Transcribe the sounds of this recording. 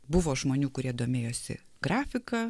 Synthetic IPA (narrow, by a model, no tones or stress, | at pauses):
bʊʋoːʒmoːnʲuːkʊɾʲiɛd̪oːmʲeːjoːsʲɪ̰ | ɡɾɑːfʲɪkɑː